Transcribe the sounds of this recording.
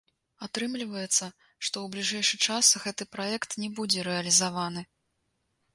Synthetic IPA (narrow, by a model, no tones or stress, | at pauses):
at̪ɾɨmlʲivɐjɛt̪sːɐ | ʂt̪ɔwblʲiʐɛjʂɨxt͡ʂasɣɛt̪ɨpɾajɛkt̪nʲɛbud͡zʲɛɾɛɐlʲizavanɨ